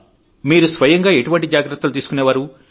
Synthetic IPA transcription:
miːɾusʋɐjɐŋɡaːe̞ʈuʋɐɳʈid͡ʒaːɡɾɐt̪ːulut̪iːsu̥kuneːʋaːɾu

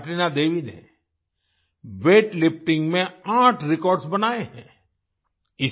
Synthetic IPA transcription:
ʈɾinad̪eːʋinḛ̃ | ʋeːʈlɪp̚ʈɪ̃ŋɡmẽãːʈʰɾɪkɔːɾɖsbɐnaːeɦɛ̰̃ː | ɪ

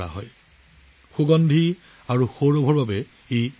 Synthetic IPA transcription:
a̰ɦɔ̰j | xuɡɔndʱi | aɹuxoɹobʱɔɹbabɛ | ej

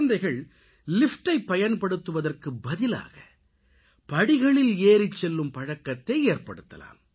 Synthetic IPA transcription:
nd̪ɐɪɣɐɭ | lɪfʈɐɪpːɐjɐnpɐɽɯt̪ːɯʋɐðɐrkɯbɐðɪla̰ːɣɐ | pɐɽɪɣɐɭɪleːɾɪt͡ʃːɛlːɯmpɐɻɐkːɐt̪ːɐɪeːrpɐ̰ɽɯt̪ːɐ̰la̰ːm

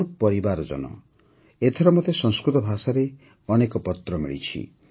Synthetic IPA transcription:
ɾpɔɾibaɾɔd͡ʒɔ̰nɔ̰ | et̪ʰɔɾɔmot̪esɔŋskɾut̪ɔbʱasaɾe | ɔnekɔpɔt̪ɾɔmḭɭḭt͡ʃʰḭ

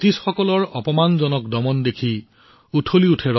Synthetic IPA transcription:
tisxɔkɔlɔɹɔpɔmanzɔnɔkdɔmɔndekʰi | utʰoliutʰɛɹɔ

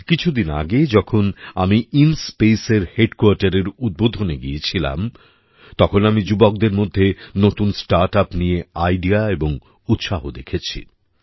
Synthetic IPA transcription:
kit͡ɕʰud̪ina̰ɡed͡ʑɔkʰonamiinspeseɾheɖkoaɾʈaɾeɾud̪̚bod̪ʱoneɡijet͡ɕʰila̰m | t̪ɔkʰonamid͡ʑubok̚d̪eɾmod̪ʱːenot̪unsʈaɾʈapnijeajɖiaeboŋ | ut̪ːʃaɦod̪ekʰet͡ɕʰḭ

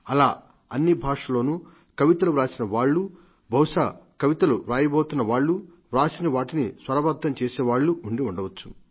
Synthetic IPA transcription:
ɐlaː | ɐnːibʱaːʂɐlo̞ːnuː | kɐʋit̪ɐluɾaːsinɐʋaːɭːu | bʱɐwʂaːkɐʋit̪ɐluɾaːjɐboːt̪unːɐʋaːɭːu | ʋɾaːsinɐʋaːʈinisʋɐɾɐbɐd̪ɐmt͡ʃeːseːʋaːɭːuʔuɳɖiuɳɖɐʋɐt͡ʃːu̥̰

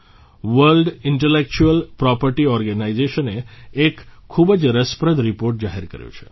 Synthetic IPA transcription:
ʋəɾlɖɪɳʈelek̚t͡ʃuəlpɾɔpəɾʈiɔɾɡənaid͡ʒeʃəneekʰːubəd͡ʒɾəspɾəd̪ʱɾipoɾʈd͡ʒaɦiɾkə̰ɾjṵ̃t͡ʃʰḛ

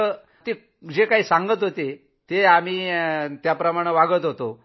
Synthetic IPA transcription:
ə | t̪e | d͡ʑekaɦiːsaŋɡət̪ɦot̪e | t̪eam̤iːt̪japɾəmaɽ̃eʋaɡət̪ɦot̪o

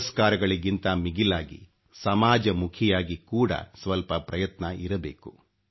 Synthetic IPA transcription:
skaːɾɐɡɐɭiɡint̪ɐmiɡilaːɡḭ | sɐmaːd͡ʒɐmukʰijaːɡikuːɽɐ̰sʋɐlpɐpɾɐjɐt̪nɐʔiɾɐbḛːku

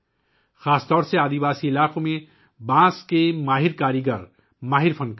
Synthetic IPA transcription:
xaːst̪ɔːɾseaːd̪ibaːsiɪlaːkomẽ | bãːskemaːɦiɾkaːɾjiɡəɾ | maːɦɪɾpʰə̃nk

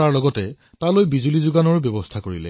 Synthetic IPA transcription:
aɹlɔɡɔtɛ | talojbizulizuɡanɔɹbjɔbɔstʰakoɹilɛ̰

